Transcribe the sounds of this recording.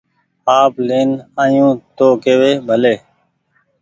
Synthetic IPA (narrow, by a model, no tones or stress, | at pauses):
aːpleːnãːjũːt̪oːkeːʋeːbʱəleː